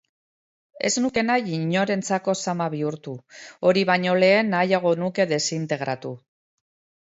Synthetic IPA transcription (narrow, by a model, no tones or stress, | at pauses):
e̞̰znuke̞najiɲo̞ɾe̞nt͡sako̞samaβ̞iuɾt̪uo̞ɾiβ̞aɲo̞le̞ːnːajaɣ̞o̞nuke̞ðe̞sint̪e̞ɣɾat̪u